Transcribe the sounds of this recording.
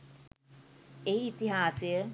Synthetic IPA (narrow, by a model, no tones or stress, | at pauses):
eiːt̪iɦaːsejə